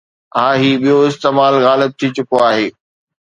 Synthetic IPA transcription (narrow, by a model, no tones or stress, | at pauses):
ãːɦiːɓijoɪst̪eːmaːlɣaːlɪb̚t̪ʰit͡ɕʊkoaːɦeː